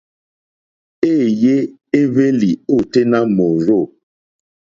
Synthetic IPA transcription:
e˦˨je˦e˦ve˦li˨o˦˨te˦na˦mo˨ɾo˦˨

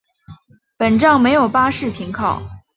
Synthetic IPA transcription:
pə˨˩nʈ͡ʂɑ˥˩ŋme˧˥ɪjo˨˩ʊpa˥ʂɻ̩˥˩t̪ʰi˧˥ŋkʰɑ˥˩ʊ

